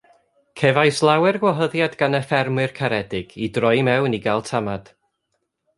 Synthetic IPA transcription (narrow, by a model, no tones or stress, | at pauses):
kʰɛvajslˠawɛrɡwɔɦəðjadɡanəfɛrmɨrkʰaɾɛdɪɡ̥idrɔjmɛwniɡalˠtʰamad̥